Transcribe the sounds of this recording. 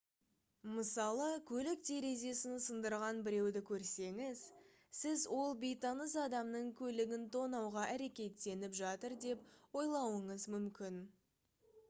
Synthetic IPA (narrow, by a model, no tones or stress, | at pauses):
məsɑlˠəkʲʰɵlɪk̚t̪ʰe̞ɾe̞ze̞sɪnsənd̪əɾʁɑnbɪɾe̞wd̪ɪkʲʰɵɾse̞ŋɪz̥ | sɪzwo̞lˠbijt̪ɑnəzɑd̪ɑmnəɴkʲʰɵlɪɡʲɪnt̪ʰo̞nɑwʁɑʔæɾe̞kʲe̞t̪ːe̞nɪpʒɑt̪əɾd̪e̞p̚wo̞jlˠɑwəɴəzmʏmkʲɪn